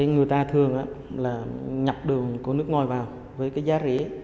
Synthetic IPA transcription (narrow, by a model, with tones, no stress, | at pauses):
a˨˦jŋɨ˨˩əjt̪aː˧t̪ʰɨ˨˩əŋʔaː˧˦laː˨˩ɲa˨˩p̚ɗɨ˨˩əkkɔ˨˦nɨ˦˥ək̚ŋɔ˧˩jvaː˨˩w | vəː˨˦jkaː˨˦jzaː˨˦˥zḛ˧˥